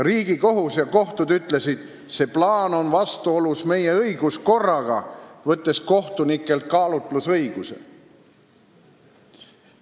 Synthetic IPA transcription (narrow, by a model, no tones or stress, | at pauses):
riːɡ̥iko̞ɦusjɑko̞ht̪ud̪yt̪ˑle̞sid̪̥ | se̞plɑːno̞nvɑst̪uo̞lusme̞je̞ɤjɡ̥usko̞rːɑɡ̥ɑvɤt̪ːe̞sko̞ht̪unikːˑe̞lt̪̚kɑːlut̪lusɤjɡ̥use̞̰